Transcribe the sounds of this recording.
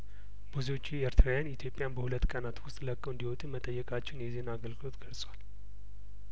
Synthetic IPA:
buziwo̞t͡ʃːieɾt̪ʰɾawjanit̪ʰjo̞pʼjanbəhulət̪ːkʼənat̪wʊst̪ʼləkʼːoɨnd̪iwɔt̪ʼumət̪ʼəjːɛkʼat͡ʃːɛnjɛzenaɡəlɡɨlo̞t̪ɡəlsʼwal

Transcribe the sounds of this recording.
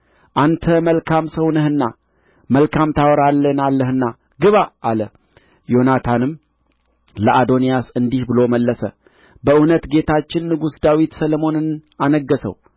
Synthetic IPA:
ʔant̪ʰəməlkʰamsəwnɨhɨnːa | məlkʰamt̪ʰawɾalːənalːəhɨnːa | ɡɨβaːlə | jo̞nat̪ʰanɨmː | ləʔad̪o̞nijasɨnd̪ihbɨlo̞məlːəsə̰ | bəʔɨnət̪ɡe̞t̪ʰat͡ʃːɪnːɨɡusd̪awit̪səlmo̞nɨnanəɡːəsə̰w

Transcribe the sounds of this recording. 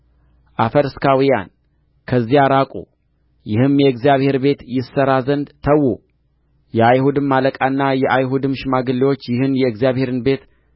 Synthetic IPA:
ʔafəɾɨskʰawija̰n | kʰəzːijaɾakʼṵ | jɪhɨmjɛɨkzijaβhe̞ɾbe̞t̪jɪsːəɾazənd̪t̪ʰəwːu | jɛajhud̪ɨmːaləkʼanːajɛʔajɦud̪ɨmʃɪmaɡɨlːiwo̞t͡ʃːjɪhɨnjɛɨkzjaβhe̞ɾɨnbe̞t̪

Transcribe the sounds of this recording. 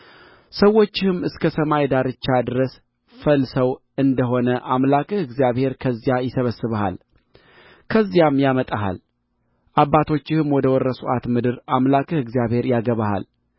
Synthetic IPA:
səwːo̞t͡ʃːɪhɨmːɨskʰəsəmajd̪aɾɨt͡ʃːad̪ɨɾəs | fəlsəw | ɨnd̪əɦo̞nəʔamlakʼɨhɨɡzijaβhe̞ɾkʰəzːijajɪsəβəsːɨβaha̰l | kʰəzːijamjamət̪ʼaɦa̰l | ʔabːat̪ʰo̞t͡ʃːɪhɨmwɔd̪əwɔɾːəsuʔat̪mɨd̪ɨɾamlakʼɨhɨɡzijaβhe̞ɾjaɡəβaha̰l

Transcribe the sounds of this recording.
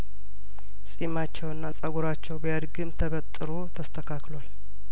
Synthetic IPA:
sʼimat͡ʃːɛwɨnːasʼəɡuɾat͡ʃːɛwbjad̪ɡɨmt̪ʰəβət̪ʼːɨɾot̪ʰəst̪ʰəkʰaklwal

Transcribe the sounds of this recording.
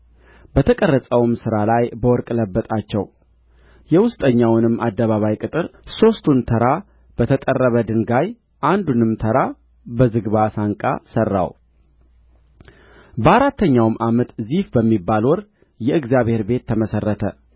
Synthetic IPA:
bət̪ʰəkʼərːəsʼəwmsɨɾalajbəwɔɾkʼləbːət̪ʼat͡ʃːɛ̰w | jɛwʊst̪ʼəɲːawnɨmːʔad̪ːəβaβajkʼɨt̪ʼɨɾso̞st̪ʰunt̪ʰəɾa | b̥ət̪ʰət̪ʼərːəβəd̪ɨŋɡaj | ʔand̪unɨmt̪ʰəɾa | bəzɨɡβasaŋkʼa̰sərːa̰w | bəaɾat̪ːəɲːawmʔamət̪zifbəmːibːalwɔɾ | jɛɨɡzjaβhe̞ɾbe̞t̪ʰːəməsərːət̪ʰə

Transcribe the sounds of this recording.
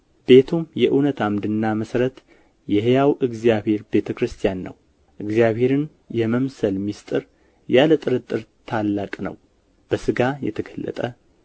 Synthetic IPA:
be̞t̪ʰumjɛʔɨnət̪ʰamd̪ɨnːaməsɾət̪ | jɛɦejawʔɨɡzijaβhe̞ɾbe̞t̪ʰəkɾɨst̪ʰijanːə̰w | ʔɨɡzjaβhe̞ɾɨn | jɛməmsəlmist̪ʼɨɾ | jalət̪ʼɨɾɨt̪ʼːɨɾt̪ʰalːakʼnə̰w | b̥əsɨɡajɛ̰t̪ʰəɡʰəlːə̰t̪ʼə

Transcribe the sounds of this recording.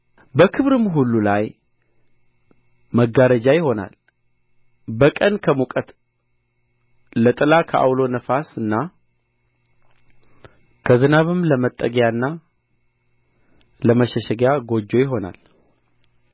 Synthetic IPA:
bəkʰɨβɾɨmɦulːulaj | məɡaɾəd͡ʒajɪho̞na̰l | bəkʼənkʰəmukʼət̪ | lət̪ʼɨlakʰəʔa̰wlo̞nəfasɨnːa | kʰəzɨnaβɨmləmət̪ʼːəɡjanːa | ləməʃɛʃɛɡjaɡo̞d͡ʒːo̞jɪɦo̞na̰l

